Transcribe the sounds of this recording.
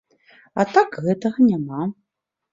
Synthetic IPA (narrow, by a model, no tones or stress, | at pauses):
at̪akɣɛt̪ɐɣɐnʲama